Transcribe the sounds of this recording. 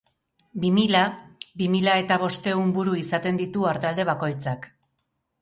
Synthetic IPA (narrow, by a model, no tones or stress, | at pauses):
bimiʎabimiʎae̞t̪aβ̞o̞st̪e̞umbuɾuisat̪e̞nd̪it̪uaɾt̪ald̪e̞β̞ako̞jt͡sak